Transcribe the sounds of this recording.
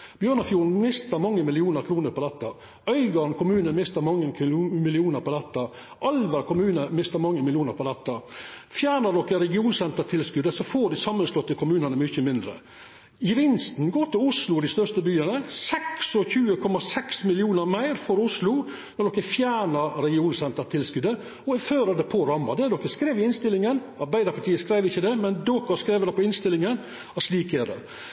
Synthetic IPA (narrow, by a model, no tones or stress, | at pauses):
b̥jøːɳɑfjuːɾn̩mɪst̪əɾmɑŋːəmɪlɪuːnəɾkʰɾuːnəɾpʰɔd̪ɛt̪ːɑ | œʏɡɑnkʰʊmʉːnənmɪst̪əɾmɑŋːəmɪlɪuːnəɾpɔd̪ɛt̪ːɑ | ʔɑlʋəɾkʊmʉːnəmɪst̪əɾmɑŋːəmɪlɪuːnəɾpʰɔd̪ɛt̪ːɑfjæːɳəɖɔkːəɾɛɡɪuːnsɛnt̪əʈʰɪlskʉd̪əsɔfoːɖɪsɑmːənslɔt̪ːəkʰʊmʉːnənəmʏçəmɪnd̪ɾə̰ | ɪʋɪnst̪n̩ɡoːʈ̪ɪlʊslʊd̪ɪst̪œʂt̪əbyːənəsɛksɔçʉːəkʰɔmɑsɛksmɪlɪuːnəɾmæɪɾfɔɾʊslʊ | nɔɖ̪ɔkːəfjæːɳəɾɾɛɡɪuːnsɛnt̪əʈʰɪlskʉd̪ə | ɔɛføːɾəd̪ɛpʰɔɾɑmːɑd̪ɛɛɖɔkːəskɾeːʋɪɪnst̪ɪlːɪŋən | ɑɾbæɪd̪əɾpɑʈʰiːəskɾæɪʋɪçːəd̪ɛmɛnd̪oːkəskɾeːʋəd̪ɛpʰɔɪnst̪ɪlɪŋən | ɑsliːkɛɖ̪ɛ̰